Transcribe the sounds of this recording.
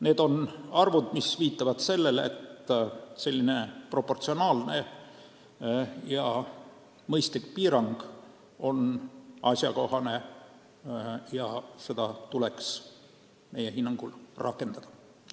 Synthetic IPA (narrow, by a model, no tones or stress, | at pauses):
ne̞ːd̪̥o̞nɑrvud̪misviːt̪ːˑɑvɑd̪̥se̞lːe̞lḛt̪se̞lʲːine̞pro̞pːo̞rt̪sio̞nɑːlne̞ | jɑ | mɤjst̪likpiːɾɑŋɡ̥ | o̞nɑsjɑko̞hɑne̞ | jɑse̞d̪̥ɑt̪ule̞ks | me̞jeɦinːɑŋɡ̥ulrʔɑ̰kːˑe̞nd̪̥ɑd̪̥ɑ̥